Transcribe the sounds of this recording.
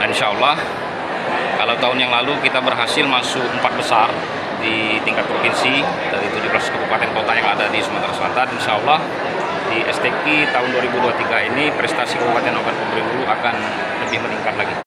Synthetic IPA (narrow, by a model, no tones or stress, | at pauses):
inʃaəlːah | kalawt̪aʊnjaŋlalukit̪abərɦasɪlmasukəmpat̪̚bəsar | di | t̪iŋkat̪̚pɾofinsi | daɾit̪udipɾasu̥kəbupat̪ɛnkot̪ajaŋadadisəmat̪ɾasəlat̪at̪inʃaəlːah | diʔɛst̪ɛkit̪aʊnduaɾibuduat̪iɡainipɾɛst̪asikəbuat̪anakanpumbəɾiuluakan | ləbɪhməniŋkat̪̚laɡi